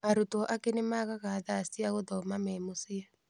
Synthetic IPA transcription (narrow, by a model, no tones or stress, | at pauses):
aɾutuʔakɛnimaɣaɣaːðaːsiaɣɔd̪ɔmamɛmusia